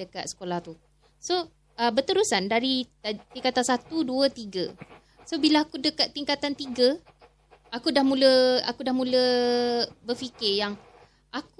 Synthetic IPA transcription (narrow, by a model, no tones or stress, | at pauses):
əka̰t̪sə̥kolaht̪u | so | əbət̪əɾusandaɾit̪iŋkat̪asat̪uduət̪iɡə | sobilaakudəkat̪̚ːiŋkat̪ant̪iɡə | akudahmũləa̰kudahmũlə | bərfikɪjaŋ | ak̚u